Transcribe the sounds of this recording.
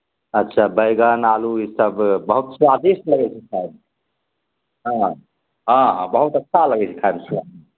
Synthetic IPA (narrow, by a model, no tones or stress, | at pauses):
ətːʃʰabəjɡənaluisəbːəɦut̪sad̪ʱisləɡɛt͡ʃʰɛkʰaeb | ɦã | ɦãɦbəɦut̪ətːʃʰaləɡɛt͡ʃʰɛ̥kʰaemsad̪